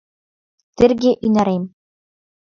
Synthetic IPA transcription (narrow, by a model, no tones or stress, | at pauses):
t̪ɘrɡʲeʔynæɾemʲ